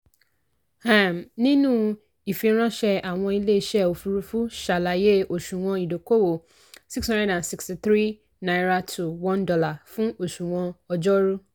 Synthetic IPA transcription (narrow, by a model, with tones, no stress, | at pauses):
hã˦˨mnĩ˦nũ˦ | i˨fĩ˦ɔ̃˦ɕɛ˦a˨w̃ɔ̃˧i˦le˦˨ɕɛ˦o˨fu˨ɾu˨fu˦ʃa˨la˨je˦o˨ʃũ˨w̃ɔ̃˦i˨do˨ko˦wo˨ | si˦kshɔ̃˦ndɛ˨ã˨nsi˦ksti˨θɾi˦ | nã˨ɾa˦tʰu˨wɔ̃˦ndɔ˦la˨fʊ̃˦o˨ʃũ˨w̃ɔ̃˧ɔ˨d͡ʒɔ˦ɾu˦